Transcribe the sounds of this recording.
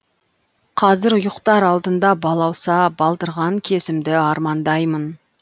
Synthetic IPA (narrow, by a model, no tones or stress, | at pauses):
qʰɑzɪɾʊjəqt̪ɑɾɑlˠd̪ənd̪ɑbɑlˠɑwsɑbɑlˠt̪əɾʁɑŋkʲʰe̞sɪmd̪ɪɑɾmɑnd̪ɑjmən